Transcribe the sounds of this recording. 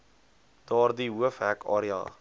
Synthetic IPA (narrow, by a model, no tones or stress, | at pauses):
d̥ɑːrdiɦuəfɦækɑ̰ːɾiɑ̰ː